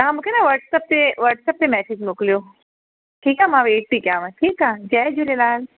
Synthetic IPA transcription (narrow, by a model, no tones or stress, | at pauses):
ãːmukʰenaʋəɾʈsəp̚t̪eʋəɾʈsəp̚t̪emɛːsid͡ʒmoklijoː | ʈʰiːkamãʋeːʈ̚pikjaːʋãʈʰiːkaːd͡ʒɛːd͡ʒulelaːl